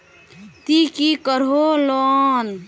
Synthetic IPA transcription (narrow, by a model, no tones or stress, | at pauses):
t̪ikikəɾɦolɔn